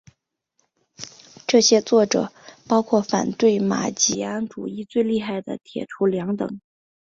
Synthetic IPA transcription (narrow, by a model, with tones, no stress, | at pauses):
ʈ͡ʂɤ˥˩ɕjɛ˥t͡swɔ˥˩ʈ͡ʂɤ̰˨˩˦pɑ˥ʊkʰwɔ˥˩fa̰˨˩nt̪we˥˩ɪma̰˨˩t͡ɕi˨˥˩a˥nʈ͡ʂṵ˨˩i˥˧t͡swe˥˧ɪli˥˧xa˥˩ɪd̪ə̰˩t̪ʰjɛ̰˨˩ʈ͡ʂʰu˧˥ljɑ˧˥ŋt̪ɤ̰˨˩˦ŋ